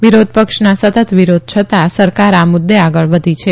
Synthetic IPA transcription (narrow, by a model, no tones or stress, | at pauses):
ʋiɾod̪̚ʱpəkʃnasət̪ət̪ʋiɾod̪̚ʱt͡ʃʰət̪asəɾkaɾamʊd̪ːeaɡəɭʋəd̪ʱit͡ʃʰe